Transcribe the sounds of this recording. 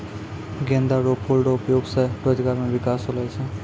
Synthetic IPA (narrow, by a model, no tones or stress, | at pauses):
ɡẽnd̪ʱaɾopʰolɖoupjoɡseʈod͡ʒɡaɾmebikasɦolajt͡ʃʰɛ